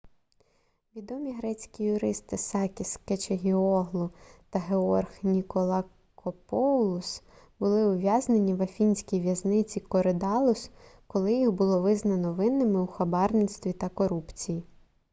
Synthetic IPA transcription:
ʋʲid̪ɔmʲiɦɾɛt͡sʲkʲijʊɾɪst̪ɪsɑkʲisket͡ʃeɦʲiɔɦlˠʊt̪ɐɦeɔrxnʲikɔlˠɑ | kʰɔpɔwlˠʊs | b̥ʊlˠɪʊʋʲjɑznenʲiʋɐfʲinʲsʲkʲijʋʲjɐznɪt͡sʲikɔɾed̪ɑlˠʊskɔlˠɪjiɦbʊlˠɔʋɪznɐnɔʋɪnːɪmɪuxɐbɑrnɪt̪st̪ʋʲit̪ɐkɔɾupt͡sʲiji

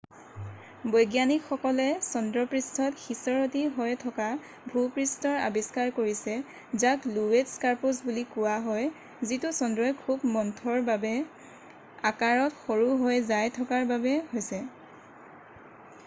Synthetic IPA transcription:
bɔjɡjanikxɔkɔlɛsɔndɹɔpɹistʰɔtxisɔɹotiɦɔjtʰɔka | bʱupɹistɔɹa̰biskaɹkoɹisɛ | zaklueskaɹpusbulikʊwaɦɔj | zitusɔndɹɔjkʰubmɔntʰɔɹbabɛ | akaɹɔtxoɹuɦojzajtʰɔkaɹbabɛhojsɛ

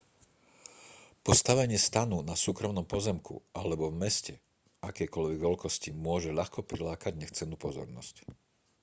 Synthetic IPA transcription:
pɔst̪aʋɛɲɪɛst̪anunasuːkɾɔmnɔmpɔzɛmkṵʔalɛbɔvmɛscɛ | akɛjkɔʎʋɛɡʋɛlkɔscimʊɔʒɛʎaxkɔpɾilaːkaɟɲɛxt͡sɛnːuːpɔzɔ̰ɾnɔ̰sc

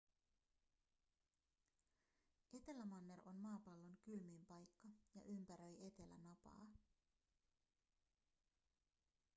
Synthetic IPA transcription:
e̞t̪e̞læmɑnːe̞ɾo̞nmɑːpɑlːo̞ŋkylmiːmpɑjkːɑjɑ̰ʔympæɾøje̞t̪e̞læ̰nɑpɑ̰ː

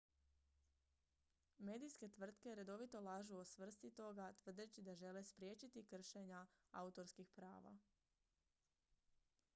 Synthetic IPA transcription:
me̞ːd̪ijske̞t̪ʋr̩t̪ke̞ɾe̞d̪o̞ʋit̪o̞lˠaːʒuosʋr̩st̪it̪o̞ɡat̪ʋr̩d̪et͡ɕid̪aʒe̞lespɾjeːt͡ɕit̪ikr̩ʃeɲaa̰ut̪o̞ɾskixpɾa̰ːʋa̰

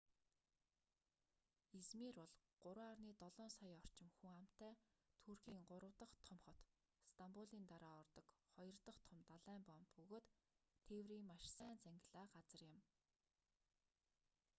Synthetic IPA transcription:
et͡smiːrʊɮɢ̥ʊɾwaːrniːt̪ɔɮɔːnsajɔr̥t͡ɕɪ̆mxuŋam̥t̪ːæːt̪ʰurxiːŋɢʊɾə̆wt̪ə̆χt̪ʰɔmχɞ̆t̪ | st̪ʰampuɮiːnt̪aɾaːɔrt̪ɞ̆kχɔjɞ̆rt̪ə̆χt̪ʰɔmt̪aɮæːmpɔmt̪pɵɣoːt̪ʰːewriːŋmaʃsæːnt͡sæŋɡʲɪ̆ɮaːɢat͡sə̆rjɪ̆m

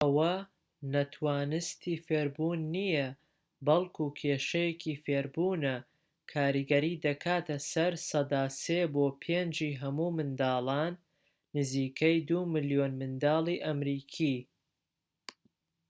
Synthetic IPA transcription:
ʔɐwɐ | nɐt̪ʰwaːnɨst̪ʰiːfeːɾbunːijɐ | bɐlˠkʰukʰeːʃɐjekʰifeːɾbuːnɐ | kʰaːɾiɡɐɾiːd̪ɐkʰaːt̪ɐsɐɾsɐd̪aːseːboːpʰend͡ʒiːɦɐmuːmɨnd̪aːlˠaːnː | ɨziːkʰɐjd̪umɨlijoːnmɨnd̪aːlˠiːʔɐmɾiːkʰi

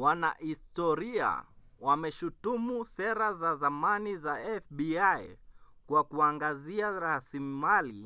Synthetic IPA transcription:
wana̰histɔɾia̰ | wamɛʃutumusɛɾazazamanizaɛfɓiajkwakuaŋɡaziaɾasimimali

